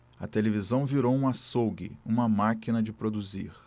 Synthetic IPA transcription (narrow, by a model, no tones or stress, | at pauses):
ɐ̰t̪elevizɐ̃w̃viɾowũasowɡḭũmɐmakinɐd͡ʒɪpɾod̪uzḭχ